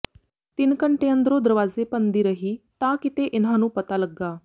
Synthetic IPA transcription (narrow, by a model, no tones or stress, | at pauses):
t̪inkəɳʈeənd̪ɾod̪əɾʋaːzepənd̪iɾəɦit̪akit̪eʔenɦanũːpɐt̪alɐɡːaː